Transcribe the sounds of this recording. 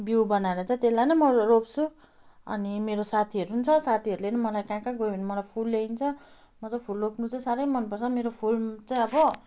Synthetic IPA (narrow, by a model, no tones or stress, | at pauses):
biwbʌnaeɾʌt͡sãĩt̪elajnʌmʌropt͡sʰu | ʌ̰nimeɾosat̪ʰiʌɾuɦunt͡sʰʌsat̪ʰiʌɾulenʌmʌlajkãkaɡoiinimʌlajpʰulːeint͡sʰʌ | mʌt͡sʌpʰulropnut͡saĩsaɾʌjmʌnpʌrt͡sʰʌmeɾopʰulmt͡saj̃ʌbʌ